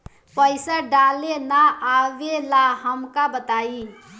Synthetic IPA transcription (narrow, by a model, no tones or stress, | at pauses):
pəɪsaɖalenaʔaʋelaɦəmkabət̪ai